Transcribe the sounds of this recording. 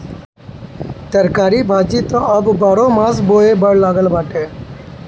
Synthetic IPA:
t̪əɾkaːɾiːbʱaːd͡ʒiːt̪õːʔəbbaːɽõːmãːzboːeːbəɽlaːɡəlbaːʈeː

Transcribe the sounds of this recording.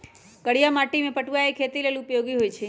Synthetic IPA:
kəɽijamaʈimẽpəʈuʋaekʰet̪ileliupjoɡiɦojt͡ʃʰe

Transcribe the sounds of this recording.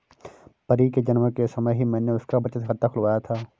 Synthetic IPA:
pɐɾiːked͡ʒɐnməkesɐməɦimɛ̃ːneʊskabɐt͡ʃət̪ɦɐt̪ːakʰʊlʋaːjat̪ʰaː

